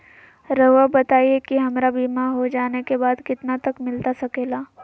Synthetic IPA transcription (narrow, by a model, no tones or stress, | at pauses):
ɾɐabɐt̪aːiekiɦɐmɾabiːmaɦod͡ʒaːnekebaːd̪kɪt̪nat̪ɐkmɪlt̪asɐkeːlaː